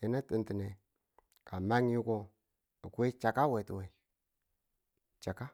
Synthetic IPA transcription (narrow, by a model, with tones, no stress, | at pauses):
i˨na˦ti˨nti˨ne˨ | ka˨ma˦ŋ˦ji˦ko˦ | i˨ku˦e˦t͡ʃa˨ka˦we˨tu˨we˨ | t͡ʃa˨ka˦